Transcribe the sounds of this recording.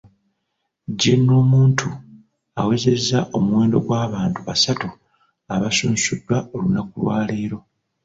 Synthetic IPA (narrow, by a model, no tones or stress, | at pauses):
ɟenːo̞ːmuːntʰu | awe̞ze̞zːaʔo̞muwe̞ːndo̞̰ɡwaːβaːntuβa̰satu | aβasuːnusudːwao̞lunakulwaːleːɾo̞